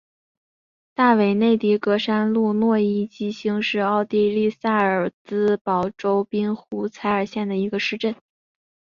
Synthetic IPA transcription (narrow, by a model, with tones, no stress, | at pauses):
t̪a˥˩we˨˩ɪne˥˩ɪt̪i˧˥kɤ˧˥ʂa˥nlu˥˧nwɔ˥˧i˥˩t͡ɕi˥ɕi˥ŋʂɻ̩˥˧ɑ˥˧ʊt̪i˥˧li˥˧sa˥˩ə˞˨˩t͡sɹ̩˥pɑ˨˩ʊʈ͡ʂo˥ʊpi˥nxu˧˥t͡sʰa˧˥ɪə˞˨˩ɕjɛ˥˩nd̪ə˩i˧˥ɡə˧ʂɻ̩˥˧ʈ͡ʂə˥˩n